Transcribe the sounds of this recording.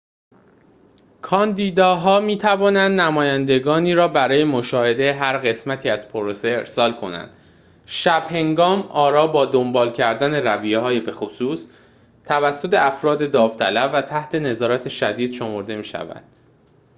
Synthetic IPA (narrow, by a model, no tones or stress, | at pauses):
kʰɒːnd̪iːd̪ɒːɦɒːmiːt̪ʰævɒːnænd̪næmɒːjænd̪e̞ɡɒːniːɾɒːbæɾɒːje̞mo̞ʃɒːhe̞d̪e̞ɦæɾɢe̞smæt̪ʰiːæz̥pʰoɾose̞eɾsɒːlkʰo̞̰næ̰nd̪̥ | ʃæb̥he̞ŋɡɒːmʔɒːɾɒːbɒːd̪o̞mbɒːlcʰæɾd̪æne̞ɾævijeɦɒːjebe̞xosuːs | t̪ʰævæsːo̞t̪ʰe̞æfɾɒːd̪e̞d̪ɒːft̪ʰælævːæt̪ʰæht̪ʰe̞ne̞zɒːɾæt̪ʰe̞ʃæd̪iːd̪̥ʃo̞mo̞ɾd̪e̞miːʃæ̰væ̰nd̪̥